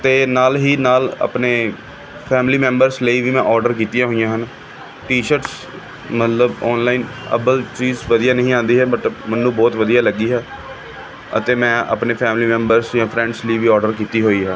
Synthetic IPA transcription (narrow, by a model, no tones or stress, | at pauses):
t̪eːnaːlɦiːnaːlə̰pneː | pʰɛːmliːmɛ̃ːmbəɾsləiːʋiːmɛ̃ːʔɔːɾɖəɾk̬iːt̪ɪjãːɦoːijãːɦən | ʈiːʃəɾs | mət̪ləbɔːnlaːiːnə̰pəlt͡ʃiːzʋəd̪ijaːnəɦĩːãːnd̪iːɦɛːmət̪əmənːũːbɔːt̪ʋəd̪ijaːləɡiːɦɛː | ə̰t̪eːmɛ̃ːə̰ːpneːpʰɛːmliːmɛ̃ːmbəɾsjãːpʰɾɛ̃ːɳɖsliːʋiːɔːɾɖəɾkiːt̪iːɦoːiːɦɛː